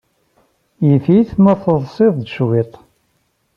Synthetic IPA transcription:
jəfiθmæθəðˤsˤɪðˤd̪ʃwit̪ˤ

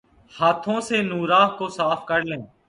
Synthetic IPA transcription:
haːt̪ʰõːseːnuːɾaːɦkoːsaːpʰkəɾlẽː

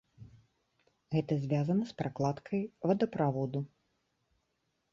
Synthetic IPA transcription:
ɣɛt̪ɐzʲvʲazɐnɐspɾaklˠat̪kʰɐjvɐd̪ɐpɾavɔd̪u

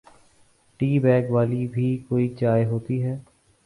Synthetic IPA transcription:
ʈiːbɛːɡʋaːlibʱiːkoːiːd͡ʒaːjɦoːt̪iɦɛː

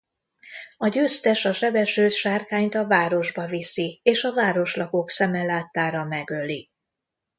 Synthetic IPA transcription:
ɒɟøːst̪ɛʃɒʃɛbɛʃøːt̪ʃaːrkaːɲt̪ɒvaːɾo̞ʒbɒvisieːʃɒvaːɾo̞ʃlɒko̞ksɛmɛlaːt̪ːaːɾɒmɛɡø̞li

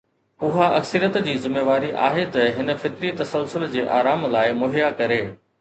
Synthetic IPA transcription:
ʊɦaʔɐ̰ksəɾijət̪d͡ʑiːzɪmeːʋaːɾiʔa̰ːɦet̪ɐɦɪnə̆fɪt̪ɾit̪ɐsəlsʊld͡ʑeːʔa̰ːɾaːmlaːɪmʊɦɪjakɐɾeː

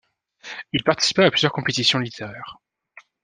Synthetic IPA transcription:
ilpaʁt̪i̥si̥paːplyzjœʁkɔ̃pet̪isjɔ̃lit̪ʰeʁɛːʁ

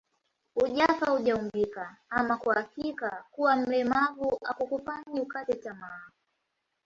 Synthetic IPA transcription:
uʄafauʄaumbikaamakwuhakikakuwam̩lɛmavuʔakukufaɲiukatɛtamavu

